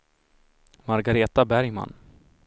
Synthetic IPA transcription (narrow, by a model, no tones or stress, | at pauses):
maɾɡaɾeːt̪abæɾjma̰nː